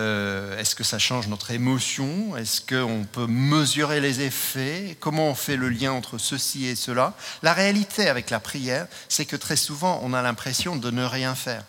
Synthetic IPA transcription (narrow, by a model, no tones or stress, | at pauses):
øɛskəsaʃɑ̃ʒnɔt̪χemɔsjɔ̃ɛskəɔ̃pøməzyʁelezefɛkɔmɑ̃ɔ̃fɛləljɛ̃ɑ̃t̪χəsəsiesəlalaʁealit̪ʰeavɛklapχijɛːʁ | sɛkət̪χɛsuvɑ̃ʔɔ̰̃nalɛ̃pχesjɔ̃d̪ənəʁjɛ̃fɛːʁ